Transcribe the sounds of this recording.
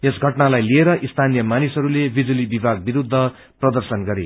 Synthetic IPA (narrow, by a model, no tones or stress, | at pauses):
esɡʱʌʈnalajlieɾʌʔist̪ʰanijʌmanisʌɾulebid͡zulibibʱaɡ̚biɾud̪ʱːʌ | prʌd̪ʌrsʌnɡʌɾe